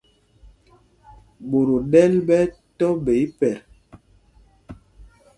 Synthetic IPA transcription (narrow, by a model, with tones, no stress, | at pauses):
ɓo˨ɾo˨ɗɛ˦lɓɛ˦tɔ˦ɓe˨i˦pɛ˨ɾ